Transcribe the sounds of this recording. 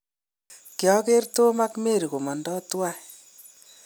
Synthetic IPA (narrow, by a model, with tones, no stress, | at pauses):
kjɔ˦ke˦rto˦ma˦kme˦˨ɾi˨ko˨mɔ˨ndɔ˦twa˦